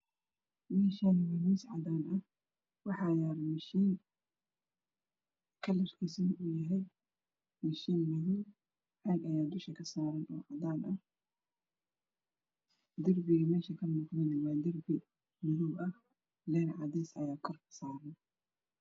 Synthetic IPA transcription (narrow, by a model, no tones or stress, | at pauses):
mɛːʃaːnwɐniːsʕɑd̪aːnʔɐh | wɑħɑjaːɾmɪʃiːn | kʰɐlɐrkʰisɐnʔʊjɐɦɛj | mɪʃiːnmɐðuw | ʕɑːɡɐjaːd̪ʊʃkɐkʰɐsaːɾɐnɔ̰ːʕɑd̪aːnʔɐh | d̪ɐrbɪɣɐmɛːʃɐkʰɐmʊːqnɐnɪwɑːd̪ɐrbɪ | mʊðuwɐh | lɛːɾʕɑd̪ɛsɐjaːkʰɔrkʰɐ̥saːɾɐn